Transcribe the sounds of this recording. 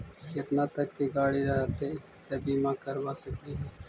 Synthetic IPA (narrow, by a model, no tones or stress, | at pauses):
kət̪naːt̪əkːiːɡaːɽiːɾaːɦt̪eː | t̪əbiːmãːkəɾʋaːsəkd̪iː